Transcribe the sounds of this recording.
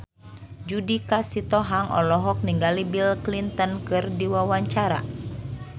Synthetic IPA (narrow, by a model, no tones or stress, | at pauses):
d͡ʒudikasit̪ɔɦaŋʔɔ̰lɔɦɔk̚niŋɡalibilklint̪ənkɨrdiwawaɲt͡ʃaɾa̰